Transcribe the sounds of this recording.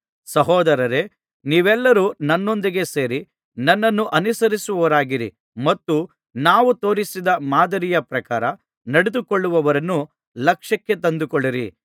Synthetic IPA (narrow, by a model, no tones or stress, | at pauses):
sɐɦɔːd̪ɐɾɐɾe̞ | niːʋɛlːɐɾuːnɐnːond̪iɡe̞se̞ːɾi | nɐnːɐnːuʔɐnusɐɾisuʋɐʋɐɾaːɡiɾḭ | mɐt̪ːu | naːʋut̪o̞ːɾisid̪ɐmaːd̪ɐɾijɐpɾɐkaːɾɐ | nɐɽed̪ukɔɭːuʋɐʋɐɾɐnːu | lɐkʂɐkːe̞t̪̬ɐnd̪ukɔɭːiɾḭ